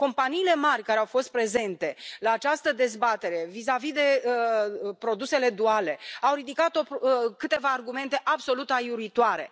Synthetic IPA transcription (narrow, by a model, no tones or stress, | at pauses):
ko̞mpaniːle̞marʲkaɾeawfo̞st̪̚pɾe̞ze̞nt̪e̞laːt͡ʃast̪əd̪e̞zbat̪e̞ɾe̞vizavid̪e̞ | pɾo̞d̪use̞le̞d̪uale̞awɾid̪ikat̪o̞kɨt̪e̞vaːrɡume̞nt̪e̞ʔabso̞lut̪ajuɾuit̪uaɾe̞̰